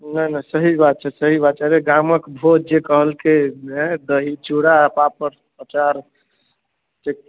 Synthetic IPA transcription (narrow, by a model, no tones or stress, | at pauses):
nənəsəɦibat̪̚t͡ʃʰɛsəɦibat̪̚t͡ʃaɾeɡaməkbʱod̪̚d͡ʒekəɦəlked̪əɦid͡ʒuɽapapəɾ | ət͡ʃaɾ | t͡ʃek̚